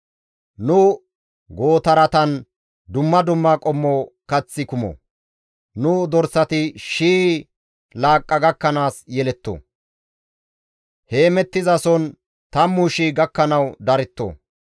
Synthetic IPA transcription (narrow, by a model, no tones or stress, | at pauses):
nʊ | ɡo̞ːt̪ɐɾɐt̪ɐn | d̪ʊmːɐd̪ʊmːaːkʼɔmːoːkɐt͡sːɪkʊmɔ̰ | nʊd̪ɔɾsɐt̪ɪʃiː | laːkʼːɐɡɐkːɐnaːsjɛlɛt̪ːo̰ | he̞ːmɛt̪ːɪzɐsɔn | t̪ɐmːuʃiːɡɐkːɐnɐwd̪ɐɾɛt̪ːo̰ː